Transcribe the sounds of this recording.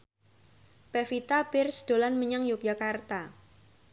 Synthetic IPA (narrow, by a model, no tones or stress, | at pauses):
pɛfit̪abɪrsd̪̥o̤lanməɲaŋjuk̚d͡ʒakart̪a